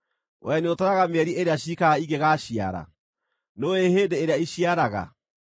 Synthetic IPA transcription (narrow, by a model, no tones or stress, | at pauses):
wʔɛneotaɾaɣameɛɾiʔeɾeaɕikaiŋɡeɣaːɕia̰ɾa̰ | noeheːdeːɾeaiɕiaɾaɣa̰